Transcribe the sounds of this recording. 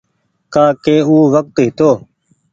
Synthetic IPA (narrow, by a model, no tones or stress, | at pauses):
kaːkeːuːʋək̚t̪ɦɪt̪oː